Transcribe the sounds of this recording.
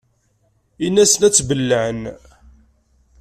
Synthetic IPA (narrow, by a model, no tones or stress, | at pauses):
inːæsənæt͡sːbəlːəʕən